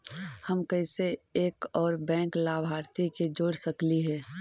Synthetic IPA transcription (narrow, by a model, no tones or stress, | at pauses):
həmkəɪseeːkɔːɾbɛ̃ːŋklaːbʱaːɾt̪iked͡ʒoːɽsəkliɦɛː